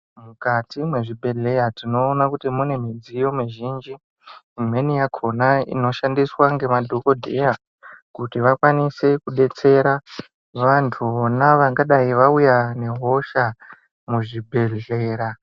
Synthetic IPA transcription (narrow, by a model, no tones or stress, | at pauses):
mukatimwe̞ʐibʱe̞ɮe̞jatino̞ːnakutimune̞mid͡zijo̞miʒind͡ʒiː | mwe̞nijakʰo̞naḭno̞ʃandiswaŋɡe̞madʱoko̞dʱe̞ja | kutiʋakwanise̞kuɗe̞t͡se̞ɾa | ʋantʰuonaʋaŋɡaɗaiʋaujane̞ɦo̞ʃa | muʐibʱe̞ɮe̞ːɾa